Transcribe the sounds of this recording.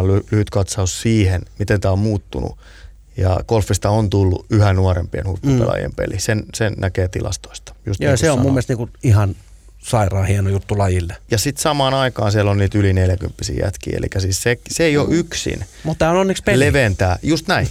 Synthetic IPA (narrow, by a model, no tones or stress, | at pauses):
lylyhyt̪kɑt̪sɑussiːhenmit̪ent̪æːommuːt̪ːunṵ | jɑ̰kolfːist̪ɑont̪ulːṵyhænnuɑɾempiḛnhutːuḛlɑ̰jḛmpḛlisensennʔækeːt̪ilʔɑ̰st̪o̥ist̪ɑ̥jṵst̪nojɑsseommummːielst̪niːŋkuihɑn | sɑirɑːhienojut̪ːulɑjilːejɑsit̪sɑmɑːnɑikɑːnsiælonniːt̪ylineljækympːisḭːjæ̰t̪kḭːḛlḭkːæsiːssekseeio̰ʔyksḭnmut̪ːæːononːikspeleʋent̪æːjust̪næin